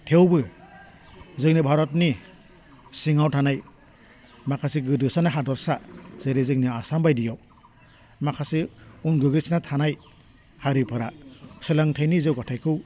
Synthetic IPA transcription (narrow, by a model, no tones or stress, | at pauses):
tʰewbɯ | zɯŋnibʱaɾɔtni | siŋawtʰanaj | makʰasiɡɯdɯsanaɦadɔɾsaz̥eɾezɯŋniasambajdijɔ | makʰasiunɡɯɡɾisnatʰanaj | haɾipʰɯɾasɯlaŋtʰajnizewɡatʰajkʰɯw